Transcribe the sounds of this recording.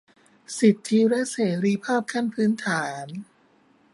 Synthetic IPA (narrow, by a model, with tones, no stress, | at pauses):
si˨˩t̪ʰːi˦˧˥lɛ˦˥ʔseː˩˦ɾiː˧pʰaː˥˩p̚kʰa˥˩npʰɯː˦˥nt̪ʰaː˩˦n